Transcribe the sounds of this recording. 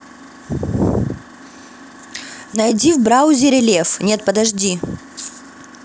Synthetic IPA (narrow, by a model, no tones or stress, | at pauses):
nɐjdʲivbɾaʊzʲɪɾʲɪlʲefnʲe̞t̪̚pəd̪ɐʐdʲi